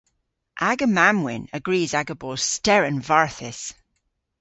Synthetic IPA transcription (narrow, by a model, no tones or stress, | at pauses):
ʔaɡəmamwɪ̰̃nəɡɹiːzaɡəbo̥stɛɹə̃nvaɹθɪs